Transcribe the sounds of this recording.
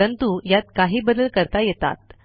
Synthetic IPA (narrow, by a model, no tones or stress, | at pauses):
ənt̪ujat̪kaɦiːbəd̪əlkəɾt̪ajet̪a̰t̪̚